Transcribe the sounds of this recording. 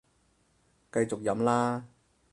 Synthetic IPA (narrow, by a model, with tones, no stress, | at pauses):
kɐ˧jt͡sʊ˨k̚jɐ˨˥mlaː˥